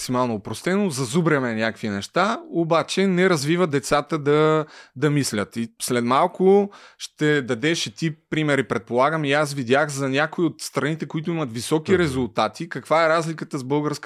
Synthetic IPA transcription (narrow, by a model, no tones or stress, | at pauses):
ksimalˠnoːpɾost̪ɛnozɐzubɾɛmɛnʲakəkvinɛʃt̪aobat͡ʃɛnɛɾɐzvivəd̪ɛt̪sat̪əd̪ɐd̪ɐmislʲət̪islɛd̪malˠkʊʃt̪ɛd̪ɐd̪ɛʃɛt̪ipɾimɛɾipɾɛt̪̚polˠaɡəmias̬vid̪ʲjaxzɐnʲakoiot̪st̪ɾɐnit̪ɛkʊit̪ʊimɐt̪visɔkiɾɛzʊlˠt̪at̪ʰikɐkvaɛɾazlikət̪əzbɤlˠɡəɾsk